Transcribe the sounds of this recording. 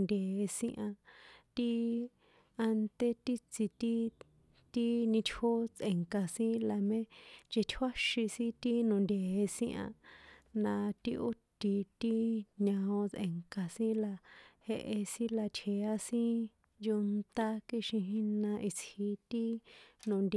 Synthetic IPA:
nd̪ʲe˨˧sĩ˦ʔã˧t̪i˦ | a˧nt̪e˧t̪i˦t͡si˧t̪i˦ | t̪i˦nĩ˧t͡ʃho˦t͡sʔe˨ŋka˨sĩ˦la˨mẽ˦t͡ʃe˧t̪ʰwa˦ʃi˧sĩ˦t̪i˦nũ˨nd̪ʲe˨e˧sĩ˦ʔã̰˧nã˧t̪i˦˧ʔo˦t̪i˧t̪i˦ɲã˧õ˧t͡sʔḛ˨ŋka˨sĩ˦la˧he˧ʔe˧sĩ˦la˧t͡ʃʰe˨a˦sĩ˦ | ju˧nt̪a˦ki˦ʃĩ˧ɦĩ˦nã˧ʔi˧t͡shi˧t̪i˦nõ˨nd̪ʲe˨

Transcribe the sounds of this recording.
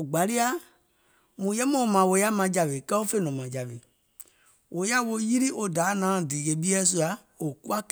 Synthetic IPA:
o˨ɡ͡ba˨li˦a˦ | mũ˨˦jɛ˦mɔ̃˨mã˨wo˨˦ja˦mã˨˦d͡ʒa˨ʋe˨kɛ˦o˦fe˦˨nɔ̃˨mã˨d͡ʒa˨ʋe˨ | wʔo˨˦ja˦wo˧˦ji˦ɾi˦ʔo˧daː˨˦nãː˨˦˨diː˨ɣe˨˦ɓi˦ɛ˦s̬u˧a˨˧ | o˨ku˦a˦k

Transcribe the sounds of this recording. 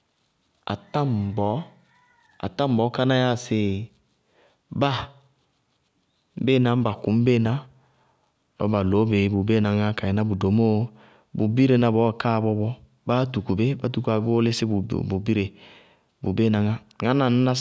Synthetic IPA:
a̰˨ta˦m˨bɔ˨˦ | a̰˨ta˦m˨bɔ˨˦ka˦na˦ja˦˨se˨ | ba˦ | m̩˦be˦˨na˨˦m̩˦ba˨ku˨˦m̩˦be˦˨na˦ | lɔ̰˦ba˨lo˨˦be˨˦bu˨be˦˨na˨ŋa˦ka˨ɛ˨na˦bu˨do˨mo˦ | bu˨bi˦ɾe˨na˨bɔ˨˦˨ka˦˨bɔ˦bɔ˦ | ba˦tu˨ku˨be˦ba˦tu˨ku˦a˨˦bo˦lɪ˦sɪ˦bṵ˨bu˨bi˦ɾe˨ | bṵ˨be˦na˨ŋa˦ | ŋa˦na˨n̩˦na˦

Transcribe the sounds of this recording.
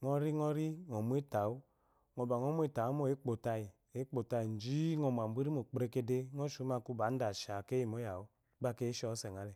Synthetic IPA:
ŋɔ˦ɾi˦ŋɔ˦ɾi˦ŋo˨mu˦e˦ta˨u˦ | ŋo˨ba˨ŋo˦mu˦e˦˨ta˨˦mo˦˨e˦k͡po˨ta˦i˨ | e˨˦k͡po˨ta˨i˨n̩˨d͡ʒi˦ŋo˨m˨a˨m˨bʷi˦ɾi˦mo˨k͡pɾe˦ke˦de˦ŋo˦ʃu˦ma˦˨ku˦ba˨˦n̩˦da˨ʃa˨ke˦i˨mo˦ja˨u˦ | ba˦˨ke˦ʃɔ˦se˨ŋ˨a˨˦le˨

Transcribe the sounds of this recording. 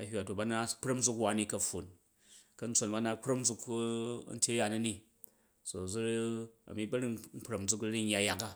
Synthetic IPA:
ɐ˨hʲwa˨to˨ba˦na˦k͡pɾɐ˦md͡zu˧kwa˨˦ni˦kɐ˨ɸo˨n | kɐ˨˧n̩˦t͡so˨nba˦na˧k͡pɾɐ˦m˦d͡zu˧kɐ̰˦n̩˦tʲe˦ja˨na˦ni˦ | so˨zu˦ɾɐ̰˨mi˦bɐ˦ɾi˦nŋ̩˦k͡pɾɐ˨md͡zu˦kɾi˦n˦ja˨ja˨ka˦

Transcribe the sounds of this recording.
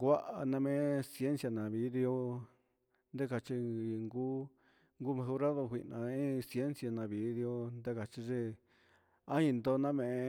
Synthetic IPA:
ɡʷa˦ʔa˧nã˧mẽ˧˦si˧e˦nsja˧nã˨βi˧˦ði˧o˦ | nd̪e˦ka˨t͡ʃi˧˨ŋɡu˦ | ŋɡu˦mã˧hu˧˦ɾa˦ðo˧kʷi˧ʔnã˨ĩ˦sje˦nsja˧nã˧βi˨ði˧o˧nd̪e˦ka˨t͡ʃi˧ʐe˦˧ | ã˦ĩ˧nd̪o˧nã˦mẽ˨˧˨

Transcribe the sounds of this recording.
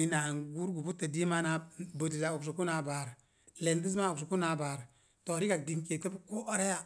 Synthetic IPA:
i˨na˨ŋɡu˦ɾɡu˨bu˦tːa˨di˦ma˦na˨bo˨di˨sa˨u˨ks̬u˨ku˦na˨ba˨ɾ | le˨ndi˦s̬ma˦u˨ks̬u˨ku˦na˨ba˨ɾ | to˨ɾi˦ka˨k̚di˨ŋke˨te˦bku˦ɔ˦ɾe˦ja˨

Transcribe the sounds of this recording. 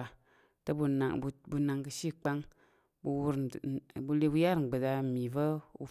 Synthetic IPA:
a˨ | ta˦bu˨˧na˨ŋ˨bu˨na˨ŋkɨ˧ʃi˦k͡pa˦ŋ | bu˧wu˦ɾbu˦le˦bu˦ja˦ɾŋ͡m̩˨ɡ͡be˨da˧˨mi˨və˦ṵ˦

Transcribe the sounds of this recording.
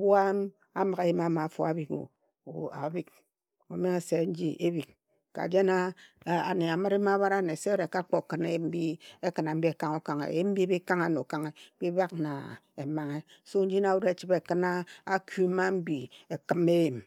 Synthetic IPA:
bu˦a˦m | a˦mɨ˨ɣe˦ji˦ma˦ma˨fo̰˦a˨bi˦ko̰˨ | a̰˨bi˦k̚ | o̰˨me˦ŋe˨se˦n̩˦d͡ʒi˦ʔe˦bi˨k̚ | ka̰˨d͡ʒe˦na˦˨a˨ne˨a˨mɨ˦ɾe˦ma˦ba˦ɾa˦˨ne˨se˦ɾe˨ka˦k͡po˨kɨ˨ne˦ji˨mm̩˦bi˦e˦kɨ˨na˨m̩˦bi˦e˨ka˦ŋo˦ka˨ŋḛ˨ji˦m̩˦bi˦bi˦ka˦ŋa˦no˨ka˦ŋe˦bi˦ba˦k̚na̰˨ | e˨ma˨ŋe˦ | so˦n̩˦d͡ʒi˦na˨wu˦ɾe˦t͡ʃi˦be˨kɨ˦na˦a˦ku˦ma˦m̩˦bi˨e˨kɨ˦me˦ji˨m

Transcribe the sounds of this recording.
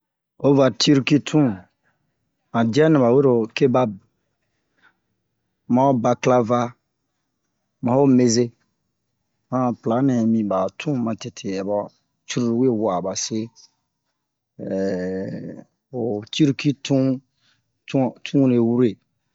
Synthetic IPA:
o˦va˨ti˦ɾki˦tʰũ˦ | mã˨dɛ˦nĩ˨ba˨we˦ɾo˨ke˦ba˦b | mã˨˦o˦ba˨kla˦va˦ | mã˨˦o˦me˨ze˦ | hã˦pla˨˦nɛ̃˨mĩ˨ba˨tʰũ˦mã˨te˨tʰe˨ɛ˨ba˨ | t͡ʃu˦ɾu˦˨we˦˨wa˨ba˨se˦˨ | o˨ti˦ɾki˦tũ˦ | ttʰũ˦ɾe˨wu˦ɾe˨

